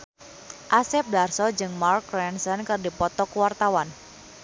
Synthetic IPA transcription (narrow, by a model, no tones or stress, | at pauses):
ʔasɛp̚darsɔd͡ʒɨŋmarkːɾɛnsɛnkɨrdipɔt̪ɔkwart̪awan